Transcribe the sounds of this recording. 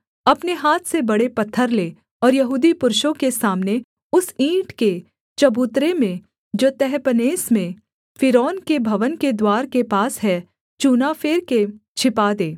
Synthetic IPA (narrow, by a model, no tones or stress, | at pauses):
ɐpneɦaːt̪ʰsebɐɽepɐt̪ʰːəɾleː | ɔːɾjɐɦuːd̪ipʊɾʃõkesaːmne | ʊsĩːʈke | t͡ʃɐbuːt̪ɾemẽ | d͡ʒoːt̪ɛɦpəneːsmẽ | fɪɾɔːnkebʱɐʋənked̪waːɾkepaːsɦɛ | t͡ʃuːnafʰeːɾket͡ʃʰɪpad̪eː